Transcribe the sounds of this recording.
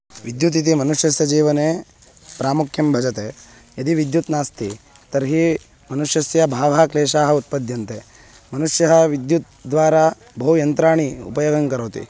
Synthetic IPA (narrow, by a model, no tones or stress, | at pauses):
ʋid̪jut̪̬it̪̬imɐnuʂjɐsjɐd͡ʒiːʋɐneː | pɾaːmukʰjɐmbʱɐd͡ʒɐt̪eː | jɐd̪iʋid̪jut̪naːst̪i | t̪ɐɾɦi | mɐnuʂjɐsjɐbʱaːʋʱaːkleːʃaːɦɐut̪̚pɐd̪ʱjɐnt̪eː | mɐnuʂjɐɦɐ̆ʋid̪jut̪̚ | d̪ʋaːɾa | bʱɐujɐnt̪ɾaːɳiṵpɐjoːɡɐŋkɐɾoːt̪ḭ